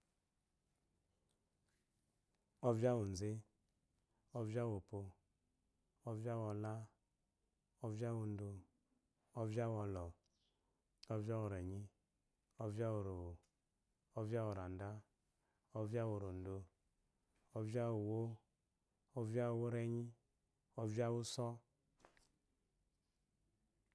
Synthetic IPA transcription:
ɔ˦vja˦wo˨n˨ze˦ | ɔ˦vja˦wo˨po˧ | ɔ˦vja˦wɔ˧la˦ | ɔ˦va˦wo˨n̩˦do˧ | ɔ˦vja˦wɔ˧lɔ˨ | ɔ˦vja˦wo˨ɾɛ˨ɲi˦ | ɔ˦vja˦wo˨ɾo˨o˨ | ɔ˦va˦wo˨ɾa˨n˨da˦ | ɔ˦vi˦a˦wo˨ɾo˨n̩˨do˧ | ɔ˦vi˦a˦wo˨wo˦ | ɔ˦vja˦wo˨wo˦ɾɛ˨ɲi˦ | ɔ˦vi˦a˦wu˦sɔ˦

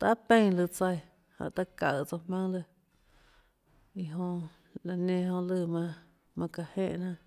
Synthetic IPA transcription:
t̪a˧˦pẽ˦˧ŋlɨ˧˨t͡sa˧j | hã̰˧˨ʔt̪a˦ka˧˨t͡so˧mã˦ŋlɨ˧˨ | i˧ɦõ˧ʔ | la˨nẽ˧ɦõ˧ʔlɨ˧˨mã˧ | mã˧ka˧hẽ˦˧ʔnã˧

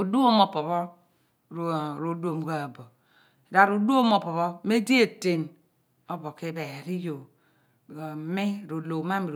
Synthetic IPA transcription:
u˨du˦o˦mo˨po˨βɔ˦ | ɾɾo˨˦do˦˨mu˨ɡa˨bo˨ | da˨ɾu˨˦du˦o˦mo˨po˨βɔ˦me˦di˦e˨te˨n | o˦bo˨ki˦be˨ɾi˦jo˨ | mi˦ɾo˨lo˨˦ma˦mi˨ɾ

